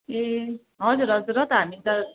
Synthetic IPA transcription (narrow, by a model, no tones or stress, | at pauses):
e | ɦʌd͡zuɾɦʌd͡zuɾʌt̪ʌɦamit̪a